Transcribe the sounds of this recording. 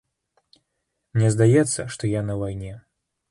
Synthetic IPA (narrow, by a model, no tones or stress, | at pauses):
mnʲɛzd̪ajɛt̪sːɐʂt̪ɔjanɐvajnʲɛ